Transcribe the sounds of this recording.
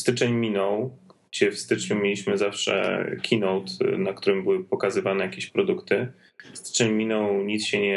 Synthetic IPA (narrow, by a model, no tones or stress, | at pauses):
st̪ɘt͡ʂɛɲmʲinɔ̃wɡ̥d͡ʑɛfst̪ɘt͡ʂɲumʲelʲiɕmɘzafʂɛ̰kʲʰinɔwt̪nakt̪uɾɘmbɘwɘpɔkazɘvanɛjakʲeɕpɾɔd̪ukt̪ɘ | st̪ɘ̥t͡ʂɛɲmʲinɔ̃wɲit̪sɕɛɲɛ